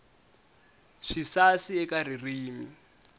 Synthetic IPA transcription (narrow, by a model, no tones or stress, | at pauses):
ʂisasiɛkaririːmḭ